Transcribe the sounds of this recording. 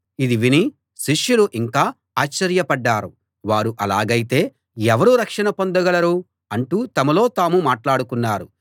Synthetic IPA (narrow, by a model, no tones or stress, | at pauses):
id̪iʋini | ʃiʂjuluʔiŋkaː | aːt͡ʃːɐɾjɐpɐɖːaːɾu | ʋaːɾuʔɐlaːɡɐjit̪e̞ː | ɛʋɐɾuɾɐkʂɐnɐpo̞nd̪ɐɡɐlɐɾuː | ɐɳʈuːt̪ɐmɐlo̞ːt̪aːmumaːʈlaːɽukunːaːɾu